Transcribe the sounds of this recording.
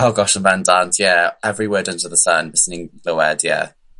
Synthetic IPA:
ɔɡɔʃə̃nvɛ̃ndantʰjɛɛvɹiwɜːdə̃ntəðəsənvɪsɪnɪ̃ŋɡ̥loʊɛd̥jɛ̰

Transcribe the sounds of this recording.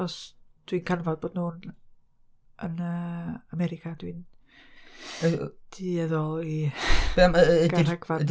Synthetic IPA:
ɔsd̥winkʰanvɔdboːdnuːn | ənəamɛɾɪkʰad̥win | d̥ʰiɛðɔlˠibaməeɡaiɾaɡva

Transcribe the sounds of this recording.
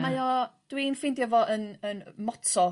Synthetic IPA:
ajɔd̥winfɪndjɛvɔʔənənmɔtʰɔ

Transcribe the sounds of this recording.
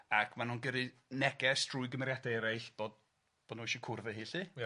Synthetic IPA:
akʰmanunɡəɾɨnɛɡɛstʰrʊɨɡəmɛɾjadaɛɾajɬb̥od̚ | b̥ɔdnuʃikʰʊrvɛɦiːɬi

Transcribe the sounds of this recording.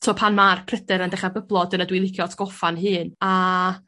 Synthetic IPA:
tʰoːpʰanmarpʰrədɛɾəndɛχabəblˠɔdənədwilˠɪkʰjɔtʰɡ̥ɔfanɦɨːna

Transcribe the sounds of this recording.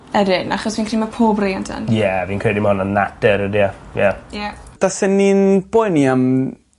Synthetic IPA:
ɛɾɨnaχɔsviːnkr̥iːmapʰoːbreantʰə̰njɛviːnkʰredimɔnənnadɛɾədiajajad̥asɪnːinb̥ojniam

